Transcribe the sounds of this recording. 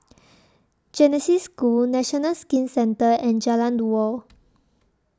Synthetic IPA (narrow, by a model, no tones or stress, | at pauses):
d͡ʒɛnɛsiskulnɛʃɔnalskĩnsɛ̃ntəɛ̃nd͡ʒalãndwɔl